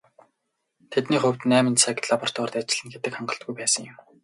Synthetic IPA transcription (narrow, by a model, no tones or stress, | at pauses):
t̪ʰet̪niːχɵw̥ʲt̪næːmə̆nsaːk̪ɮapɔr̥t̪wɔːrt̪at͡ɕɪ̆ɮɘ̆nɡet̪ɘ̆kχaɴɢə̆ɬt̪̚ɡujpæːsə̆ŋjʊ̆m